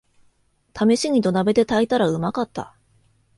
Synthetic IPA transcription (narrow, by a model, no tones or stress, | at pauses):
t̪ʰame̞ɕiɲ̟ʲit̪o̞nabe̞d̪e̞t̪ait̪aɾaɯ̟makat̪ːa̰